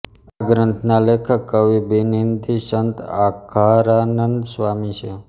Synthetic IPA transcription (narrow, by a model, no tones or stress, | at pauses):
aɡɾənt̪ʰnalekʰəkːəʋibinind̪isənt̪akʰaɾanənd̪sʋaːmiʃe